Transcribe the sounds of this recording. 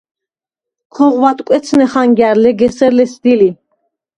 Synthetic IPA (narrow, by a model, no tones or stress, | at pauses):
kʰɔʁwat̪ʼkʼɛt̪sʰnɛχaŋɡaɾlɛɡɛsɛɾlɛsd̪ili